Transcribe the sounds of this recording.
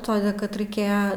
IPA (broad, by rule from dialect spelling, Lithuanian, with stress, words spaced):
ˈtoːdʲɛ kɐt rɐɪˈkʲeːjɛ